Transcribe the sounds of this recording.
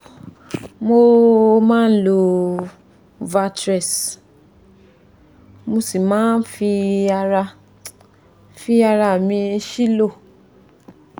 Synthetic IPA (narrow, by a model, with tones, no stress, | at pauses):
mo˧mãː˦n̩˦lo˧˨ | va˧tɾɛ˨s | mo˧si˨mãː˨˦n˦fi˧a˧ɾa˧ | fi˧a˧ɾa˧˨mĩ˧˦ʃi˦lo˦˨